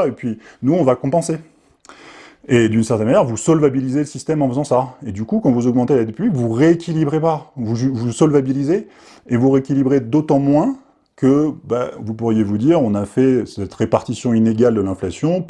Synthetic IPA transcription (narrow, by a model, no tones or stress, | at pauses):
epɥinuɔ̃vakɔ̃pɑ̃se | ed̪ynsɛʁt̪ɛnmanjɛʁvusɔlvabilizeləsist̪ɛmɑ̃fəzɑ̃saed̪ykukɑ̃vuzɔɡmɑ̃t̪elad̪epyɥikvuʁeːkʲilibʁepavuʒyvusɔlvabilize | evuʁeekʲilibʁed̪ot̪ɑ̃mwɛ̃ | kəba̰vupuʁjevud̪iʁɔ̃nafɛsɛt̪ʁepaʁt̪isjɔ̃ineɡald̪əlɛ̃flasjɔ̃